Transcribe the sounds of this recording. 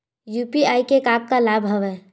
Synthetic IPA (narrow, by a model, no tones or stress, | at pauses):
jupiajkekab̚kalabʱɦəʋɛ